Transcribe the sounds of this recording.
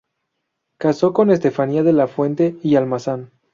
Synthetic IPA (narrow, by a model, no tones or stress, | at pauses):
kaso̞ko̞ne̞s̬t̪e̞faniaðe̞lafwe̞nt̪e̞ialmasan